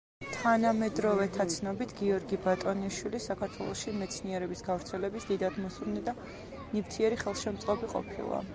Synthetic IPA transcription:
t̪ʰanamɛd̪ɾɔvɛt̪ʰat̪sʰnɔbit̪ʰɡiɔɾɡibat̪ʼɔniʃwilisakʰaɾt̪ʰwɛlˠɔʃimɛt̪sʰniɛɾɛbisɡavɾt̪sʰɛlɛbisd̪id̪ad̪mɔsuɾnɛd̪a | nivt̪ʰiɛɾiχɛlˠʃɛmt̪sʼqʼɔbiqʼɔ̰pʰḭlˠa̰

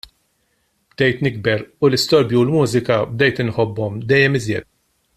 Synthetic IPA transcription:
b̥d̪ɛjt̪nɪɡ̚bɛɾʊlɪst̪ɔɾbjiwlmuːzɪkɐb̚d̪ɛjt̪ɪnħɔbːɔmd̪ɛjːɛmɪzjɛt̪̚

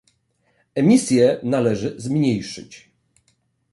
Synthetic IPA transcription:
ɛmʲisʲjɛnalɛʐɘzmɲejʂɘ̰t͡ɕ

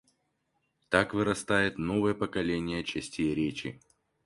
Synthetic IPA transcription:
t̪akvɨɾɐst̪ajɪt̪no̞vəjəpəkɐlʲenʲɪjət͡ɕɛsʲtʲejɾʲet͡ɕɪ̰

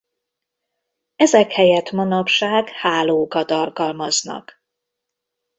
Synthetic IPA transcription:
ɛzɛkhɛjɛt̪mɒnɒpʃaːɡhaːloːkɒt̪ɒlkɒlmɒznɒ̰k

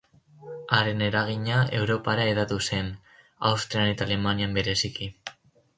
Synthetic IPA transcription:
aɾe̞ne̞ɾaɣiɲae̞wɾo̞paɾae̞ðat̪use̞n | a̰wst̪ɾiane̞t̪alemaniambe̞ɾe̞siki

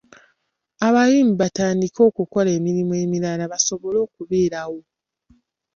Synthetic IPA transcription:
aβajiːmbataːndiko̞ːkuko̞le̞ːmiɾimue̞miɾalaβaso̞βo̞lo̞ːkuβe̞ːɾawo̞

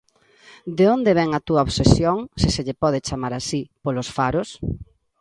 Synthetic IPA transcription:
d̪eond̪eβ̞ɛŋat̪uɐoβsesjoŋsɪseʎepɔðet͡ʃamaɾasipolosfaɾos

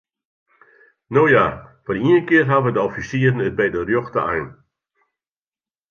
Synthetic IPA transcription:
noːjafɔriənkɪərɦaʋədəɔfisiəɾən̩ət̚bɛjdərjoxtəajn

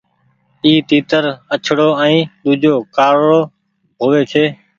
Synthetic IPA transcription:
iːt̪iːt̪əɾət͡ʃʰɽoːɛ̃ĩːɗ̪uːd͡ʒʱoːkaːɾːoː | ɦoːʋeːkʰeː

